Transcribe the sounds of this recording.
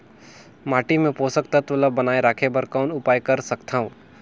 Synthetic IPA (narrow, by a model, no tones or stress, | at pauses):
maːʈimẽpoːsək̚t̪ɐt̪ʊləbɐnaːeɾaːkʰebɐɾkaːnʊpaːjkɐɾsɐkt̪ʰaːɦũː